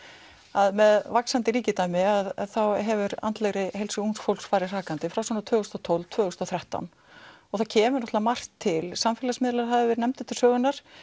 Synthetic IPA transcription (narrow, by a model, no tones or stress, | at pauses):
aðmɛðvaksant̪ɪɾiːcɪt̪aːjmɪaðθawɦɛvʏɾa̰nt̪leɣɾɪɦejlsʏunsfowlksfaːɾɪr̥aːkant̪ɪfɾawsɔnat̪ʰvœːɣʏst̪ɔt̪ʰowlvt̪ʰv̥œːɣʏst̪ɔθɾɛht̪a̰wn | ɔɣθacʰɛːmʏɾnɔt̪lamar̥t̪ʰːɪlsamfɛːlasmɪːðlaɾ̥haðɪvɛɾnɛmt̪ɪt̪ʰɪlsœːɣʏnːaɾ̥